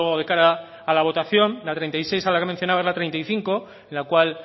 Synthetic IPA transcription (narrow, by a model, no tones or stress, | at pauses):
oðe̞kaɾaː | laβ̞o̞t̪aθjo̞nlat̪ɾejnt̪ajse̞jsalakemẽn̟θjonaβaezlat̪ɾent̪ajθiŋko̞ | enlakwal